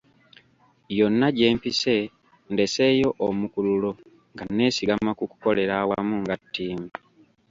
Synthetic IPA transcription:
jo̞nːaɟe̞ːmpise̞ | nde̞se̞ːjo̞ʔomukululo̞ | ŋɡanːe̞ːsiɡamakuku̥ko̞le̞ɾawamuŋɡatːiːmu

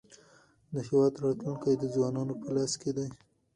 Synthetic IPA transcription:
d̪əhiwɑt̪ɾɑt̪luŋkajd̪əzwɑnɑnopəlɑsked̪aj

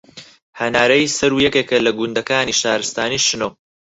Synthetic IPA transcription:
hɐnaːɾɐjsɐɾuːjɐkekɐlɐɡund̪ɐkaːniːʃaːɾɨst̪aːniːʃɨno

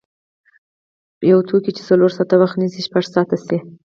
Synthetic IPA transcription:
jawt̪ʰokit͡ʃe̥t͡saloɾsɑt̪awaxt̪nisiʃpaʐsɑt̪asi

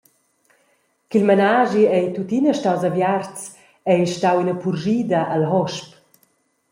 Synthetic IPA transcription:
kilmanaːʒiɛjt̪ut̪inaʃtawzavjart͡s | ɛjʃtawinapurʒiːd̪aʔalɦɔʃp

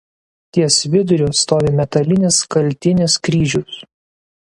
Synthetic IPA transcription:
t̪ʲiɛsʋʲɪd̪ʊɾʲʊːst̪oːʋʲeːmʲɛt̪ɐlʲɪnʲɪskɐlʲt̪ʲɪnʲɪskɾʲiːʒʲʊs

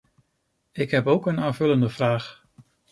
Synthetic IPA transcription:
ɪkɦɛpowkənaːnvɵləndəv̥raːχ

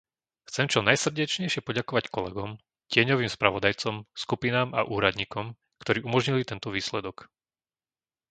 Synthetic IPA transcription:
xt͡sɛmt͡ʃɔnajsr̩ɟɛt͡ʃɲɛjʃɪɛpɔɟakɔʋackɔlɛɡɔm | cɪɛɲɔʋiːmspɾaʋɔd̪ajt͡sɔmskupinaːma̰ʔuːɾad̪ɲiːkɔm | kt̪ɔɾiːʔumɔʒɲilit̪ɛnt̪ɔʋiːslɛd̪ɔk

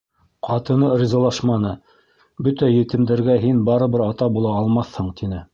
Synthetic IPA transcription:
qʰɑt̪ɤ̆nɤrʲizɑlˠɑʃmɑnɤ | bɵt̪æjɘ̆t̪ɘ̆md̪æ̆ɾɡæɦinbɑɾɤ̆βɤɾɑt̪ɑbulˠɑːlˠmɑθhɤɴt̪inɘ

